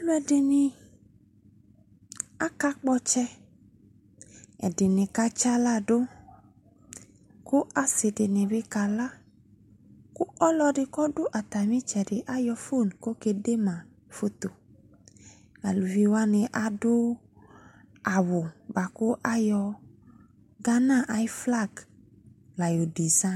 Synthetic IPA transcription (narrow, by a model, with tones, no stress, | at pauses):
m˦ɛ˨dɪ˨nɪ˧ | a˦ka˧k͡pɔ˧t͡ʃɛ˧ | ɛ̰˨dɪ˨nɪ̃˨ka˧t͡ʃa˦la˦˨do˦ | kʊ˦ʔa˨sɪ˨dɪ˨nɪ̃˨bɪ˧ka˨la˦ | kʊ˦ɔ˦lɔ˧dɪ˧kɔ˦dʊ˦ʔa˨t̪a˨mĩ˦t͡ʃɛ˨dɪ˨ʔa˦jɔ˧fo˦˨nko˦ke˨de˦ma˨ | fo˦to˨ | a˨lu˨vi˦wa˦nɪ˨ʔa˨dʊ˦ | a˨wʊ˨ba˨kʊ˦ʔa˦jɔ˧ | ɡa˦na˦˨ʔa˨i˦fla˦˨ɡ | la˨jo˨di˨za˦˨